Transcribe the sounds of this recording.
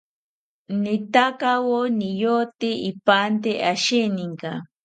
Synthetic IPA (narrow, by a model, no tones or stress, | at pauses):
nit̪akawonijot̪iipant̪eʔaʃiniŋka̰